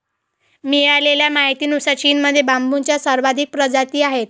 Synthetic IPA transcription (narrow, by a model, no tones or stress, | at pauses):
mijaleljamaɦit̪iːnusat͡ɕiːnməd̪ʱːjebambunt͡ɕjasəɾʋad̪ʱik̚pɾəd͡zat̪iːaɦet̪̚